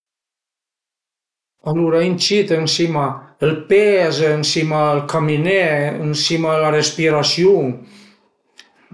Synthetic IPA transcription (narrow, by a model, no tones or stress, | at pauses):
aluɾaint͡ʃit̪ənsimaəlpeznsimaəlkamineənsimaəlarespiɾasjo